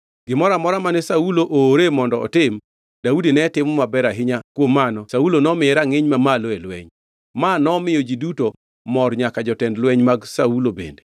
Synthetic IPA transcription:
ɡ̥ɪmɔɾamɔɾamanɛsauloʔoːɾemɔndɔɔ̰tɪm | daudinɛtɪmɔmabɛɾaɦɪɲakwomːanɔsaulonɔmɪɛɾaŋɪɲmamalɔelwɛɲ | manɔmɪjod͡ʒiduto | mɔrɲakad͡ʒɔtɛndlwɛɲmaɡsaulobḛnde

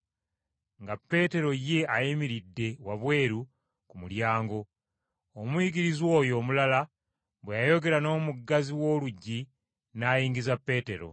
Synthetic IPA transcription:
ŋɡapːe̞ːte̞ɾo̞je̞ajimiɾidːe̞waβwe̞ːɾu | kumuljaːŋɡo̞ | omwiɡiɾizwo̞ːjo̞ːmulala | βwejajo̞ɡe̞ɾano̞ːmuɡːaziwo̞ːluɟːi | naːjiːŋɡizapːe̞ːte̞ɾo̞̰

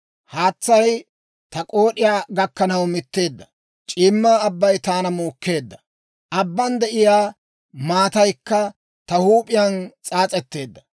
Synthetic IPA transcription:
haːt͡sːɐj | t̪ɐkʼo̞ːɗɪjaːɡɐkːɐnɐwmɪt̪ːe̞ːd̪ːɐ | t͡ʃʼɪːmːaːbːɐjt̪aːnɐmoːkːe̞ːd̪ːɐ | ʔɐbːɐnd̪ɛʔɪjaː | maːt̪ɐjkːɐ | t̪ɐhuːpʼɪjɐnt͡sʼaːt͡sʼɛt̪ːe̞ːd̪ːɐ̥

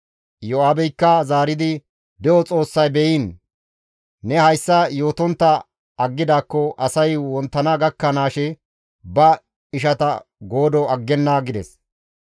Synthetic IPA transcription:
jɔaːbɛjkːɐzaːɾɪd̪ɪ | d̪ɛɔt͡sʼo̞ːsːɐjbɛjin | ɛhɐjsːɐjo̞ːt̪ɔnt̪ːɐ | ɐɡːɪd̪aːkːɔʔɐsɐjwɔnt̪ːɐnaɡɐkːɐnaːʃɛ | bɐ | ɪʃ̬ɐt̪ɐɡo̞ːd̪ɔɐɡːɛnːaːɡɪd̪ɛs

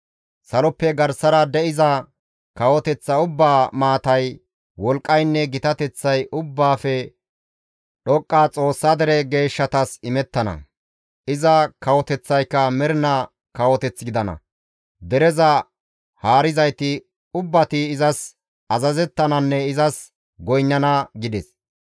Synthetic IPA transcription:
sɐlɔpːɛɡɐɾsɐɾɐd̪ɛɪzɐ | kɐwɔt̪ɛt͡sːɐʊbːaːmaːt̪ɐj | wɔlkʼːɐjnːɛɡɪt̪ɐt̪ɛt͡sːɐjʊbːaːfɛ | ɗɔkʼːaːt͡sʼo̞ːsːad̪ɛɾɛɡe̞ːʃːɐt̪ɐsɪmɛt̪ːɐnɐ̰ | ɪzɐkɐwɔt̪ɛt͡sːɐjkːɐmɛɾɪnɐ | kɐwɔt̪ɛt͡sːɡɪd̪ɐnɐ̰ | d̪ɛɾɛzɐ | haːɾɪzɐjt̪ɪ | ʊbːɐt̪ɪːzɐs | ɐzɐzɛt̪ːɐnɐnːɛɪzɐs | ɡɔjnːɐnɐɡɪd̪ɛs

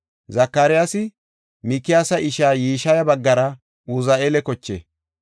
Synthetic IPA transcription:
zɐkːaːɾɪjasɪ | mɪkːɪjaːsɐʔɪʃaːjiːʃɐjɐbɐɡːɐɾɐ | ʊzɐeːlɛkɔt͡ʃːḛː

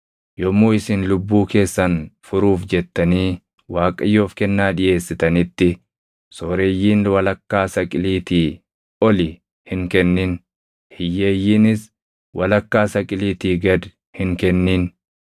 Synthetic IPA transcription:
jɔmːoːɪsɪnlʊbːuːke̞ːsːɐnfʊɾuːfd͡ʒɛt̪ːɐniː | waːkʼɐjːoːfkɛnːaːᶑɪjʔe̞ːsːɪt̪ɐnɪt̪ːɪ | soːɾe̞ːjːiːnwɐlɐkːaːsɐkʼɪliːt̪iː | ɔlɪ | hɪŋkɛnːin | hɪjːeːjːiːnɪs | wʔɐlɐkːaːsɐkʼɪliːt̪iːɡɐd̪ | hɪŋkɛnːiːn

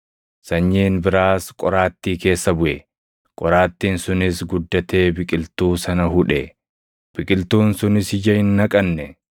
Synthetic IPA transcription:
sɐɲːiːnbɪɾaːskʼɔɾaːt̪ːiːke̞ːsːɐbʊʔɛ | kʼɔɾaːt̪ːiːnsʊnɪsɡʊd̪ːɐt̪e̞ːbɪkʼɪlt̪uːsɐnɐɦʊᶑɛ | b̥ɪkʼɪlt̪uːnsʊnɪshɪd͡ʒɐhɪnːɐkʼɐnːɛ

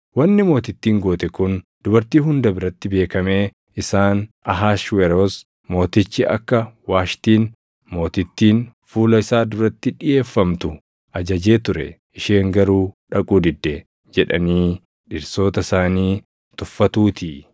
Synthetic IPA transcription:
wɐnːɪmo̞ːt̪ɪt̪ːiːŋɡo̞ːt̪ɛkʊnd̪̥ʊbɐɾt̪iːɦʊnd̪ɐbɪɾɐt̪ːɪbe̞ːkɐme̞ː | ɪsaːnɐɦaːʃwɛɾoːs | mo̞ːt̪ɪt͡ʃːɪɐ̰kːɐwaːʃt̪iːn | mo̞ːt̪ɪt̪ːiːnfuːlɐɪsaːd̪ʊɾɐt̪ːɪᶑɪʔe̞ːfːɐmt̪ʊ | ʔɐd͡ʒɐd͡ʒeːt̪ʊɾɛ̰ | ɪʃe̞ːŋɡɐɾuːᶑɐkʼuːd̪ɪd̪ːɛ | d͡ʒɛᶑɐ̰niː | ᶑɪɾso̞ːt̪ɐsaːniː | t̪ʊfːɐt̪uːt̪ʰi

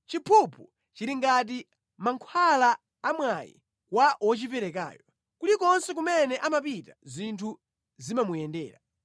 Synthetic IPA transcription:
t͡ʃipʰupʰu | t͡ʃiɾiŋɡat̬i | maŋkʰwalaː | mwajḭ | kwaʔɔt͡ʃipɛɾɛka̰ːjɔ | kulikɔnsɛk̬umɛnɛʔamapitazintʰu | zimamujɛndɛ̰ːɾa̰

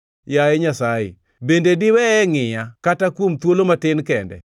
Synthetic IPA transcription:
jaeɲasajḛ | bendedɪwɛɛŋɪjakatakwomt̪wolomatɪnkɛndɛ̰

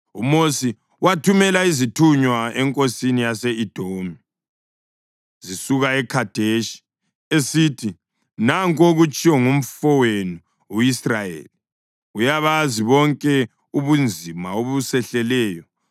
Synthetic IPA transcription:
umosi | watʰumɛlaizitʰuɲwaɛŋkʼosinijaseid̥ʱomi | zisuɣaɛkʰad̥ʱeʃi̥ | esitʰi | naŋkʼoɣut͡ʃʼijɔŋum̩fɔwenu | uisrajḛːli | ujaβaziβɔŋkʼɛ | uβund͡zʱimaoβusɛɬɛlɛːjɔ

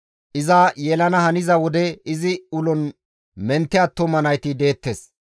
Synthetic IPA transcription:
ʔɪzaːjɛlɐnɐhɐnɪzɐwɔd̪ɛɪzɪʊlɔn | mɛnt̪ːɪɐːt̪ːɔmɐnɐjt̪ɪd̪e̞ːt̪ːes

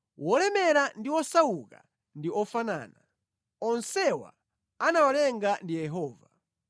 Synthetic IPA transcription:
wɔlɛmɛɾandiwɔsawuka̰ | ndiɔfana̰ːna | ɔnsɛwa̰ | anawalɛŋɡandijɛɦɔːva̰

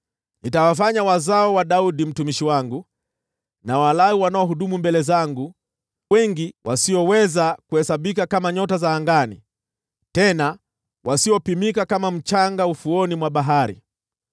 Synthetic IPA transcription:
nitawafaɲawazaɔwaɗauɗim̩tumiʃiwaŋɡu | nawalauwanaɔɦuɗumumbɛlɛzaŋɡu | wɛŋɡiwʔasiɔwɛzakuhɛsaɓikakamaɲɔtazaːŋɡanḭ | tɛna | wʔasiɔpimikakamam̩t͡ʃaŋɡaufuɔnimwaɓaɦaɾḭ

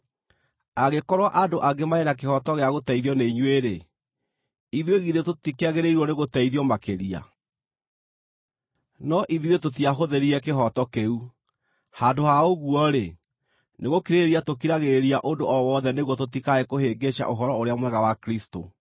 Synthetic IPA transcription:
aɣekɔɾwaʔadoʔaɡemaenak̬ehɔtɔɣeaɣotɛiðjɔneiɲweɾe | iðweɣiðetotikeaɣeɾeiɾwɔneɣotaiðiɔmakeɾia̰ | nɔʔiðiwetotiaɦoðeɾiɾɛkeɦɔtɔkeu | handohaoɣwɔɾe | neɣokiɾeeɾiatokiɾaɣeɾiaʔondoʔɔwɔðɛneɣwɔtotikaekoheɡeʃa̰ʔoɦɔɾɔoɾeamwɛɣawakɾisto̰

